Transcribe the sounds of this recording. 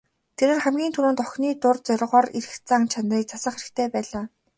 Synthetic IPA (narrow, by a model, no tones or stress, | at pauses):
t̪ʰeɾeːrχæmɡʲiːnt̪ʰuɾuːnt̪ɔxʲniːt̪ʊrt͡sœɾʲʁɔːriɾɘ̆xt͡saŋt͡ɕʰanriːk̚t͡sʰasə̆χxeɾɘ̆kt̪ʰeːpæːɮaː